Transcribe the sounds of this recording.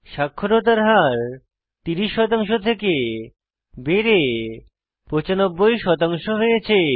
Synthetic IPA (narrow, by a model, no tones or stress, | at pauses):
ʃakʰːoɾot̪̬aɾɦaɾ | t̪iɾiʃːɔt̪aŋʃ̬ot̪ʰeke | beɾe | pot͡ɕanobːojʃɔt̪aŋʃoɦojet͡ɕʰe